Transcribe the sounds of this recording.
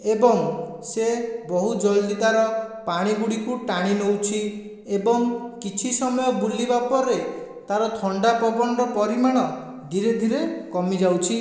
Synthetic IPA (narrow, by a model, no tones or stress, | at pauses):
ebɔŋ | sebɔɦud͡ʒɔjlid̪aɾɔpaɽ̃iɡuɽikuʈaɽ̃inowt͡ʃʰi | ebɔŋkit͡ʃʰisɔmɔjɔbulibapɔɾe | t̪aɾɔt̪ʰɔɳɖapɔbɔnɔɾɔpɔɾimaɽ̃ɔ | d̪ʱiɾed̪ʱiɾekɔmid͡ʒawt͡ʃʰi